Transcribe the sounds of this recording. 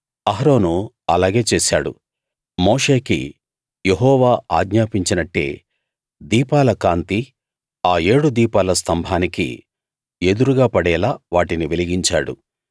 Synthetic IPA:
ɐɦɾo̞ːnu | ɐlaːɡe̞ːt͡ʃeːsa̰ːɽṵ | moːʂe̞ːkḭ | jeɦɔːʋaːa̰ːɡɲaːpiɲt͡ʃinɐʈːe̞̰ː | d̪iːpaːlɐkaːnt̪i | aːe̞ːɽud̪iːpaːlɐst̪ɐmbʱaːnikḭ | e̞d̪uɾuɡaːpɐɽɛːlaːʋaːʈiniʋeliɡiɲt͡ʃa̰ːɽṵ

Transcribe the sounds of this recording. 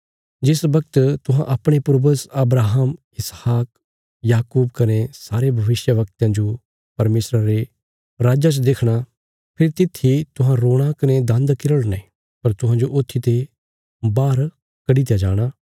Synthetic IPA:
d͡ʒɪsbɐk̚t̪t̪ʊɦãʔɐpɽ̃epʊɾbəsɐbɾaːɦəm | ɪshaːk̚ | jaːkuːbkɐnesaːɾebʱɐʋɪsjəʋɐk̚t̪jãd͡ʒo | pɐɾmeːsɾaɾe | ɾaːd͡ʒat͡ʃd̪eːkʰɽ̃a | pʰɪɾt̪ɪt̪ʰːit̪ʊɦãɾoːɽ̃akɐned̪ɐ̃nd̪kɪɾəɽnẽ | pɐɾt̪ʊɦãd͡ʒoʔoːt̪ʰːit̪e | baːɾ | kɐɽit̪jad͡ʒaːɽ̃aː

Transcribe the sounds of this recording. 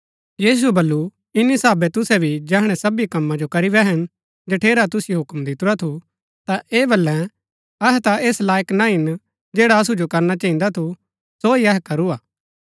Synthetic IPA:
jiːs̬uɛbɐlːu | ɪnisaːbɛt̪ʊsɛbʱid͡ʒɛːɦɽ̃ɛsɐbikɐmːãd͡ʒokɐɾibɛɦɐn | d͡ʒɐʈʰeːɾat̪̬ʊsɪjoɦʊkmd̪ɪt̪ʊɾat̪ʰu | t̪aʔeːbɐlːɛ̃ | ɐɦɛt̪aʔeːslaːjəknãɦɪn | d͡ʒeːɽaɐs̬ud͡ʒokɐɾnat͡ʃɐːĩn̆d̪at̪ʰu | soiɐɦɛkɐɾuaː

